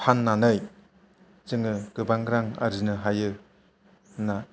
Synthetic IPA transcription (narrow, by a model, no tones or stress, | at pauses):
pʰanːanɯj | zɯŋɯɡɯbaŋɡɾaŋa̰ɾinɯɦajɯ | na